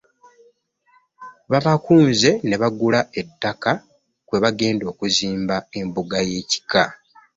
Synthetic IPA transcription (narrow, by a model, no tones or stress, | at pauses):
βaβakuːnze̞ne̞βaɡulaʔe̞tːaka | kwe̞βaɡe̞ːndo̞ːkuziːmbae̞mbuɡaje̞ːci̥ka